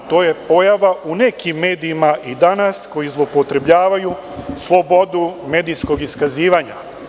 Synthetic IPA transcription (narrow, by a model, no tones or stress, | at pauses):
t̪o̞ːje̞po̞jaʋaʔune̞kimːe̞ːd̪iːmaʔid̪anasko̞jizlˠopo̞t̪ɾe̞bʎaːʋaju | slˠo̞bo̞d̪ume̞ːd̪isko̞ɡiskaziːʋaɲa̰